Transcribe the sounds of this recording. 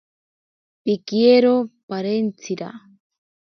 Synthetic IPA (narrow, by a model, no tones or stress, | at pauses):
pikieɾopaɾent͡sʰiɾa̰